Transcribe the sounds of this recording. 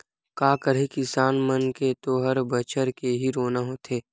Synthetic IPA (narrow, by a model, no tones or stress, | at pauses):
kaːkəɾ̤ikɪsaːnmənket̪oɦəɾbət͡ʃəɾkeɦiɾoːnaɦoːt̪ʰeː